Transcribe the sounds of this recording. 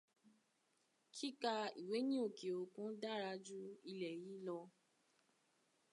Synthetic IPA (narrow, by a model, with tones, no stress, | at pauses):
kʰi˦ka˧i˨we˨˦nĩ˦o˦˨ke˨o˨kũ˨˦da˦˨ɾa˧d͡ʒu˦i˧lɛ˨ji˨˦lɔ˧